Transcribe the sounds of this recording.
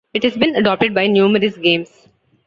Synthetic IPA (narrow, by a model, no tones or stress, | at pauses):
ɪʈhɛzbĩnɐɖɔːp̚ʈɪɖ̚baɪnjuːməɾəsɡẽːms